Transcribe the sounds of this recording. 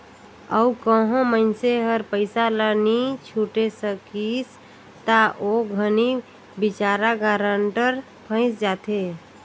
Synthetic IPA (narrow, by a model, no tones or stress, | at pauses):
əukəɦõməɪnseɦəɾpəɪsalənit͡ʃʰuʈesəkis | t̪aʔoɡʱəni | bit͡ʃaɾaɡaɾəɳʈəɾ | pʰə̃ɪ̃sd͡ʒat̪ʰe